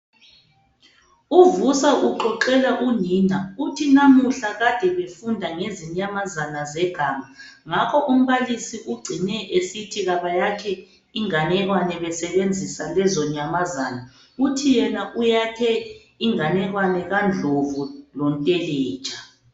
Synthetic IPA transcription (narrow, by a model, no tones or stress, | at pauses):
uvusaʔuǃɔǃɛlaʔuniːnautʰinamuɬaɣad̥ʱɛβefundʱaŋeziɲamazanazɛɡ̥ʱaːmaŋakʰɔʔum̩βalisiʔuɡ͡ǀʱinɛʔesitʰiɣaβajakʰɛ | iŋanɛɣwanɛβɛsɛβend͡zʱisalɛzɔɲamazaːna | utʰijɛnaʔujakʰɛ | iŋanɛɣwanɛɣand͡ɮʱovulɔntʼɛlɛ̥ːt͡ʃʼa